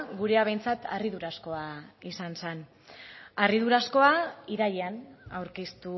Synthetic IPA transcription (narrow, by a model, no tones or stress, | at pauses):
ɡuɾe̞aβejnt͡sat̪ʰa̰riðuɾasko̞aisansen | ariðuɾasko̞aiɾajeanawɾkist̪u